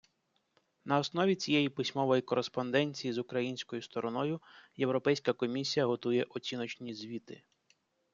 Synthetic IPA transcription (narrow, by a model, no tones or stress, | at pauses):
nɐɔsnɔʋʲit͡sʲijɛjipɪsʲmɔʋɔjikɔɾespɔnd̪ɛnʲt͡sʲijizʊkɾɐjinʲsʲkɔjʊst̪ɔɾɔnɔjʊje̞wɾɔpɛjsʲkɐkɔmʲisʲijɐɦɔt̪ujɛʔɔt͡sʲinɔt͡ʃnʲizʲʋʲit̪ɪ